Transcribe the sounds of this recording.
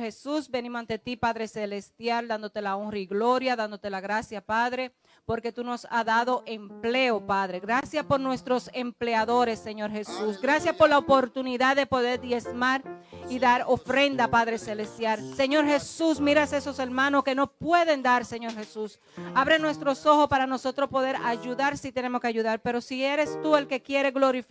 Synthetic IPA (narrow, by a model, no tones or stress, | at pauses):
hesusbe̞nĩmosant̪e̞t̪ipaðɾe̞selest̪jald̪and̪ot̪e̞laoŋrɾaiɣlo̞ɾjaðand̪o̞t̪e̞laɣɾasjapaðɾe̞ | po̞ɾke̞t̪uno̞saðaðo̞ʔe̞mple̞opaðɾeɣɾasjapo̞ɾnwe̞st̪ɾo̞se̞mple̞aðo̞ɾe̞sːe̞ɲo̞ɾxe̞susɡɾasjaspo̞ɾlaopo̞ɾt̪uniðaðe̞po̞ðe̞ɾd̪je̞smaɾiðaɾo̞fɾe̞nd̪apaðɾese̞le̞st̪jaɾse̞ɲo̞ɾhe̞susmiɾase̞so̞se̞ɾmãnoske̞no̞pwe̞ðend̪aɾse̞ɲo̞ɾhe̞sus | aβɾenwe̞st̪ɾo̞so̞ho̞spaɾano̞so̞t̪ɾo̞spo̞ðe̞ɾaʝuðaɾsit̪ene̞mo̞skeaʝuðaɾpe̞ɾo̞sieɾe̞st̪ue̞lke̞kje̞ɾe̞ɣlo̞ɾif